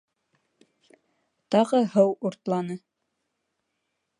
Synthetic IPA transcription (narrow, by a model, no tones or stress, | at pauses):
t̪ɑʁɤɦɤwuɾt̪lˠɑnɤ